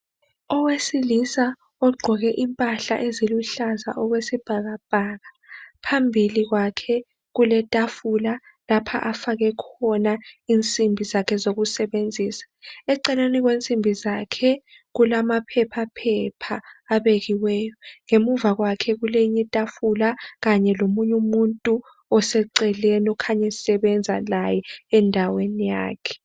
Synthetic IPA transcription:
ɔwesilisa | ɔɡ͡ǃʱɔɣɛʔimpʼaɬaʔeziluɬaza̰ʔɔɣwesib̥ʱaɣab̥ʱaɣa | pʰambʱiliɣwakʰɛ | ɣulɛtʼafula | lapʰa̰ʔafaɣɛkʰɔnaint͡sʼimbʱizakʰɛzoɣusɛɓend͡zʱiːsḁɛǀɛleniɣ̬went͡sʼimbʱizakʰɛ | ɣulamapʰɛpʰapʰɛpʰaːɓeɣiwɛːjɔŋemuvaɣwakʰɛɣuleiɲitʼafulaɣaɲɛlomuɲumuntʼu | ɔsɛǀɛlɛnɔkʰaɲɛsɛɓɛnd͡zʱa̰lajɛɛndʱawenija̰ːkʰɛ̥

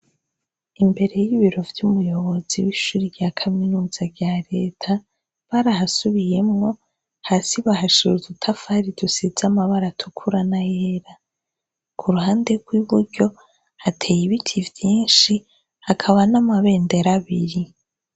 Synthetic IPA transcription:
imbe̞ɾe̞jiβiɾo̞vjumujo̞βo̞z̥iwiʃuːɾivjakʰaminuːz̥aɟaɾe̞ːtʰa | βaɾahasuβije̞mŋo̞ | hasiβaɦaʃuuzutʰafaɾidusiz̥amaβaɾatʰukʰuɾanajeeɾa | kʰuɾuhaːnde̞ɡwiβuɾɟo̞ | hatʰe̞ːjiβitʰivjiːnʃi | hakʰaβanamaβe̞ːnde̞ɾaβiɾi

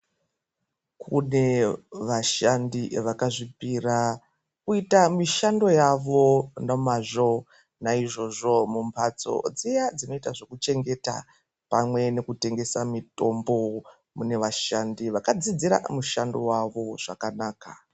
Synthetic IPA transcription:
kʰune̞ʋaʃandiʋakaʐipira | kuitamiʃando̞jaʋo̞nomaʐo | naiʐo̞ʐo̞mumpʰat͡so̞̰d͡zijad͡zino̞itaʐo̞kut͡ʃe̞ŋɡe̞ta̰ | pamwe̞ne̞kute̞ŋɡe̞samito̞mbo̞ | mune̞ʋaʃandiʋakad͡zid͡ziɾa̰muʃando̞̰waʋo̞ʐ̥a̰kanaːka

